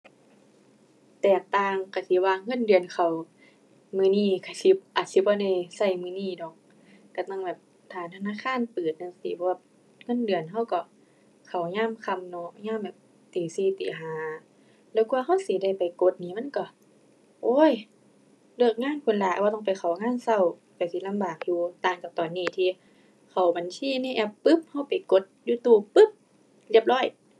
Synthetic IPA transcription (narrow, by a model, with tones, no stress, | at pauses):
t̪ɛː˨˩k̚t̪aː˧˨ŋka˧˩si˧˦waː˧ŋɤ˧˥˨ndɯ˨ənkʰa˨˩w | mɯː˧˨niː˧˩kʰa˧˩si˧˦ʔaː˨˩t̪̚si˧˦bɔː˧˦da˧˩jsa˧˩jmɯː˧˨niː˧˥˨dɔ˨˩k̚ | ka˧˩t̪a˧˨ŋbɛː˨˩p̚ | t̪ʰaː˧˩t̪ʰa˧naː˧˥˨kʰaː˧˥˨npɯː˨˩t̪̚na˧˨sḭː˧˦pʰɔ˧wa˧˩ | ŋɤ˧˥˨ndɯ˨ənɦa˧˥˨wkɔ˧˩ | kʰa˨˩wɲaː˧˥˨mkʰa˧˨mnɔ˧ɲaː˧˥˨mbɛː˨˩p̚ | t̪iː˨˦siː˧˩t̪ḭː˨˩ɦaː˨˦ | lɛː˧˩wku˧ɐ˧ha˧˥˩wsi˨˦da˧˩jpa˨˩jko˧˦t̪̚niː˧˨ma˧˥˨nkɔ˧˩ | ʔoː˧˥˨j | lɯ˧˩ək̚ŋaː˧˥˨nkʰu˧˨nlaː˧˨˧waː˧˩t̪ɔ˧˩ŋpa˨jxʰa˨˩wŋaː˧˥˨nsa˧˩˨w | pa˨jsi˧˦la˧˥mbaː˨˩k̚juː˧t̪aː˨˩ŋt͡ɕaː˨˩k̚t̪ɔː˨nːiː˧˩t̪ʰiː˧ | kʰa˨˩wba˨nsiː˧˨niː˧˨ʔɛ˧˩pːɯ˦˥p̚ha˧˥˩wpa˨˩jko˧˦t̪̚juː˧t̪uː˧˩pɯ˧˥p̚ | li˧əp̚lɔː˧˥˩j